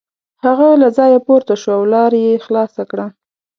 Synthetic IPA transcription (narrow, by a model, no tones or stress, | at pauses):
haɣalazɑjapoɾt̪aʃwaawlɑɾjexlɑsakɽa